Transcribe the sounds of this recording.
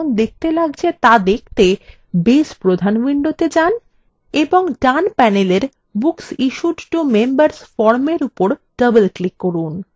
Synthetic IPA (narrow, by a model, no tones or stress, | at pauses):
ŋd̪ek̚ʰt̪elaɡ̚t͡ɕʰet̪ad̪ek̚ʰt̪e | bespɾod̪ʱanwiɳɖot̪ed͡ʑan | eboŋɖanpɛneleɾ | buksiʃuʈʈumembəɾsfɔɾmeɾupoɾɖəbelklikːoɾun